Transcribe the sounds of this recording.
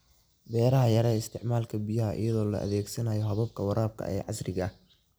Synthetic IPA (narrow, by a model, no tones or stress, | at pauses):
bɛːɾɐɦɐjɐɾɛːɪst̪ʰɪʕmaːlkʰɐbijɐɦɐʔɪ̰jɐðɔːlɐ̰ʔɐ̰ðɛːɡsɐnaːjɔɦɐβɐb̚kʰɐwɑɾʔaːb̚kʰɐ̰ʔɛ̰ːʕɑsrɪɣɐ